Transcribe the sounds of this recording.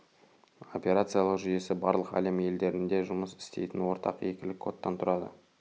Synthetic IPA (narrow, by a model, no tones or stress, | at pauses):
o̞pʲe̞ɾat̪sɨjalˠəqʒʏje̞sɪbɑɾlˠəqæ̰le̞mje̞ld̪e̞ɾɪnd̪e̞ʒʊməsɪ̥st̪e̞jt̪ɪnwo̞ɾt̪ʰɑ̰qje̞kʲɪlɪkʰːo̞t̪ːɑnt̪ʰʊɾɑd̪ə̰